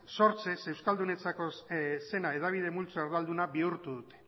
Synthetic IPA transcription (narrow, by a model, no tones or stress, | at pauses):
so̞ɾt͡se̞se̞wskald̪une̞t͡sako̞se̞nae̞ðaβ̞ið̞e̞mult͡soeɾðald̪unaβiuɾt̪uðut̪e̞̥